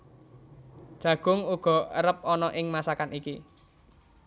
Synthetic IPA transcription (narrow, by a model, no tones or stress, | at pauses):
d̥ʒ̥ä̤ɡ̥ʊ̤ŋuɡ̥ɔ̤əɾəp̚ɔnɔʔɪŋmasakaniki